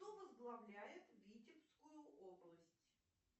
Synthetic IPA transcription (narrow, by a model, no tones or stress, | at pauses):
ovəzɡlˠɐvlʲæjɪt̪vʲitʲɪpskʊjʊʔoblˠəsʲtʲ